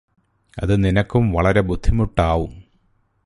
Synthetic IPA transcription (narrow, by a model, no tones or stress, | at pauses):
ɐ̰ðɨninɐkːumʋɐɭɐɾe̞bud̪ʱːimuʈːaːʋum